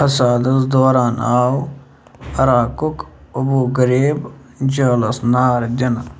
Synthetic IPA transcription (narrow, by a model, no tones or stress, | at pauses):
ɐsaːd̪ɐsd̪oːɾaːnaː | ɐɾaːkʊkɐbuːɡəɾiːb | d͡ʒaːlɐsnaːɾd̪ʲɐn